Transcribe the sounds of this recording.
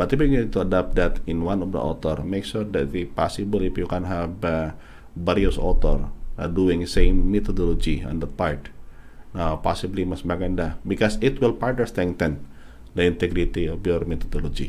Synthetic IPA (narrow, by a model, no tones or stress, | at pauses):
bat̪ibinidt̪uadap̚d̪at̪ɪnwanɔfdə̰ɔ̰t̪ɔrmekʃurd̪ɛt̪ipasibəlifjukɛnɦɛvə | baɾiɔsɔt̪ɔrə̰duɪŋsemmɛt̪ɔdɔlod͡ʒiɔ̰̃nd̪əpart̪ | napasiblimasmaɡɛndabikɔsɪt̪wilpartnəɹst̪ɛ̃ŋt̪ɛn | dəĩnt̪ɛɡɾit̪iɔfjɔrmɛt̪ɔdolod͡ʒi